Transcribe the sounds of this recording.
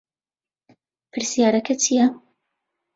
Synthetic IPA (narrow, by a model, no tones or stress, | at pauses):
pʰɨɾsijaːɾɐkʰɐt͡ʃʰijɐ